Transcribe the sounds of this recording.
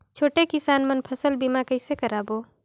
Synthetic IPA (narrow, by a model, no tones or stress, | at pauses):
t͡ʃʰoːʈekɪsaːnmənpʰəsəlbimakəɪsekəɾaːbo